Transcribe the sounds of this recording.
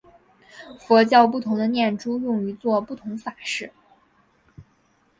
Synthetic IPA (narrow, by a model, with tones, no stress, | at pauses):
fwɔ˧˥t͡ɕjɑ˥˧ʊp̬u˥˩t̪ʰʊ˧˥ŋd̪ə˧njɛ˥˩nʈ͡ʂu˥jʊ˥˩ŋy˧˥t͡swɔ˥˧pu˥˩t̪ʰʊ˧˥ŋfa˨˩ʂɻ̩˥˩